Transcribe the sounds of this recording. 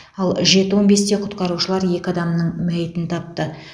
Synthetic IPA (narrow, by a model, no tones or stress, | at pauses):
ɑlˠʒe̞t̪əwo̞nbe̞st̪e̞qʰʊt̪qɑɾuʃəlˠɑɾje̞kʲɪɑd̪ɑmnəɴmæjɪt̪ɪnt̪ʰɑp̚t̪ə